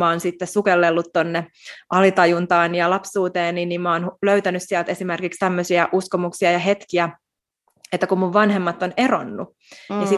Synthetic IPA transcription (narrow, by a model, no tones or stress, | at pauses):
ɑonsit̪ːessukelːelːut̪tonːeʔɑlit̪ɑjunt̪ɑːnijɑlɑpsuːt̪eːnːinːimmoːnuløyt̪ænyssiælt̪esimerkikst̪æmːøsiæʔuskomuksiɑjɑɦet̪kiæ | et̪ːækummuʋʋɑnɦemːɑt̪ːonero̰nːu | jɑsi